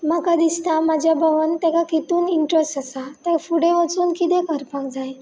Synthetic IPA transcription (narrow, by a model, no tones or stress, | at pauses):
məkad̪ist̪amad͡ʑʱjabəʋənt̪ɛ̃kakit̪uːniɳʈɾəsʈasat̪əfuɽeʋət͡suːnkit̪ekəɾpak̚d͡zaj